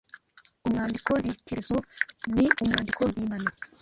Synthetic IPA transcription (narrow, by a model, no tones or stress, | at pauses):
umŋaːndikoɾitʰezoniʔumŋaːndikoβiːmana